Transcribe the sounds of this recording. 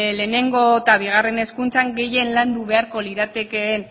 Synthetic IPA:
le̞ːne̞ŋɡo̞t̪aβ̞iɣ̞are̞ne̞skunt͡saŋɡe̞je̞nland̪uβe̞aɾko̞liɾat̪e̞ke̞ːn

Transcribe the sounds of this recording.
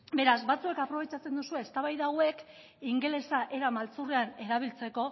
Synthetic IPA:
be̞ɾazbat͡sue̞kapɾo̞β̞e̞t͡ʃat͡se̞nd̪usue̞ːst̪aβajðawe̞k | iŋɡele̞saʔe̞ɾamalt͡sureane̞ɾaβ̞ilt͡se̞ko̞

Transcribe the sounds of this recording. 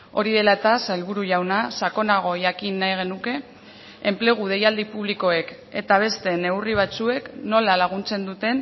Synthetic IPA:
o̞ɾiðe̞laet̪asaelβuɾuʝawnasako̞naɣ̞o̞ʝakinːajɣ̞e̞nuke̞ː | mple̞ɣ̞uð̞e̞jald̪ipuβ̞liko̞e̞k | e̞̰t̪aβ̞e̞st̪e̞ne̞uwriβ̞at͡sue̞kno̞lalaɣ̞unt͡se̞nd̪ut̪e̞n

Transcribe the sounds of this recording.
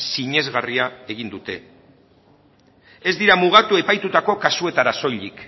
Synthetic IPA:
siɲe̞zɣariae̞ɣ̞ind̪ut̪e̞ | e̞zd̪iɾamuɣ̞at̪ue̞pajt̪ut̪ako̞kasue̞t̪aɾaso̞ʎik

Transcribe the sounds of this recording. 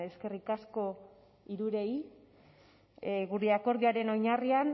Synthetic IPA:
e̞ske̞rikasko̞ | iɾuɾe̞i | ɣuɾeako̞ɾðiaɾe̞no̞jɲarian

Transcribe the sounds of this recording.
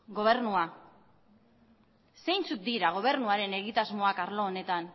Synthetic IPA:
ɡo̞βe̞ɾnua | se̞jnt͡sut̪̚d̪iɾaɣ̞o̞β̞e̞ɾnuaɾe̞ne̞ɣ̞it̪azmo̞akaɾlo̞ːne̞t̪an

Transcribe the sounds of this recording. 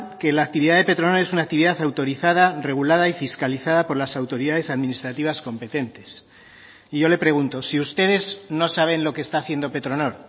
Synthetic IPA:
ke̞laːk̚t̪iβiðaðe̞pe̞t̪ɾono̞ɾe̞sunak̚t̪iβiðaθawt̪o̞ɾiθaðare̞ɣ̞ulað̞aifiskaliθaðapo̞ɾlasawt̪o̞ɾiðaðe̞saðmĩnist̪ɾat̪iβ̞asko̞mpe̞t̪e̞nt̪e̞s | iʝo̞le̞pɾe̞ɣ̞unt̪o̞siust̪e̞ðe̞zno̞saβ̞e̞nlo̞keːst̪aːθje̞nd̪o̞pe̞t̪ɾo̞no̞ɾ

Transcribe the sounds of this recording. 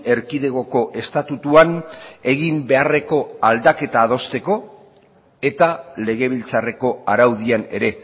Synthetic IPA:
e̞ɾkiðe̞ɣo̞ko̞ʔe̞st̪at̪ut̪uane̞ɣimbe̞are̞ko̞ald̪ake̞t̪aːð̞o̞st̪e̞ko̞ | e̞t̪ale̞ɣ̞e̞β̞ilt͡sare̞ko̞aɾawðiane̞ɾe̞

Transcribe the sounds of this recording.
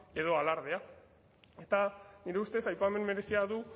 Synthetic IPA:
e̞ðo̞alaɾð̞ea | e̞t̪aniɾe̞ust̪e̞sajpame̞nme̞ɾe̞siaðu

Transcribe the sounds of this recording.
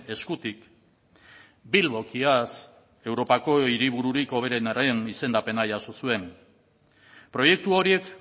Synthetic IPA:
e̞skut̪ik | bilβo̞kias | e̞wɾo̞pako̞iɾiβ̞uɾuɾiko̞β̞e̞ɾe̞naɾe̞nise̞nd̪ape̞naʝaso̞sue̞m | pɾo̞je̞k̚t̪uo̞ɾie̞k

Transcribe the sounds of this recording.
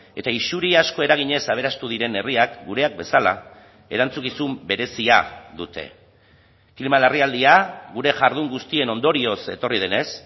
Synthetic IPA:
e̞t̪aisuɾiasko̞e̞ɾaɣ̞iɲe̞saβ̞e̞ɾast̪uð̞iɾe̞ne̞riakɡuɾe̞ak̚be̞sala̰ | e̞ɾant͡sukisumbe̞ɾe̞siaðut̪e̞̰ | kilmalariald̪iaɣuɾe̞ʝaɾðuŋɡust̪ie̞no̞nd̪o̞ɾio̞se̞̰t̪o̞rið̞ene̞s

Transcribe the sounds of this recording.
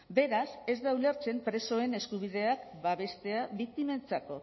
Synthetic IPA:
be̞ɾase̞zd̪aule̞ɾt͡se̞mpɾe̞so̞e̞ne̞skuβ̞ið̞e̞akbaβe̞st̪e̞aβik̚t̪ime̞nt͡sako̞

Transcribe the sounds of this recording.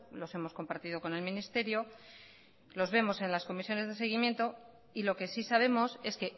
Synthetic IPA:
lo̞se̞mosko̞mpaɾt̪iðo̞ko̞ne̞lmĩnist̪e̞ɾjo̞ | lo̞zβe̞mo̞se̞nlasko̞misjo̞ne̞zðe̞s̬e̞ɣ̞imje̞nt̪o̞ | ilo̞ke̞sisaβ̞e̞mo̞se̞ske̞

